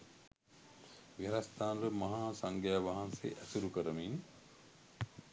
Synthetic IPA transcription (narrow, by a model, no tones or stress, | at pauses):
ʋiɾast̪aːnləmaɦaːsaŋɡjaʋaɦansḛʔæsuɾukəɾəmiːn